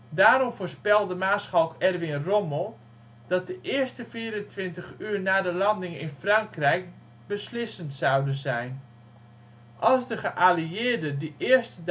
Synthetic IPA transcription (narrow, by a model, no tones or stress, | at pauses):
daːɾɔmfoːrspɛlˠdəmaːsχawkɛrʋɪnromolˠ | d̥ɑt̚dəʔɪərstəfiːɾəntʋɪntəχyːrnaːdəlɑndɪŋɪ̰nfrɑŋkrɛjk̚ | bəslɪsəntsawdənzɛjn | ʔɑlˠzdəχəʔaːliɪədədiʔɪərstə